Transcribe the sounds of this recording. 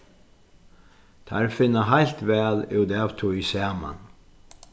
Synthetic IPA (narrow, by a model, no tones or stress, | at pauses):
t̪ʰa̰ɾfɪnːaɦajlt̪vɛːlɪwd̪ɛːvt̪ʰʊjsaːma̰n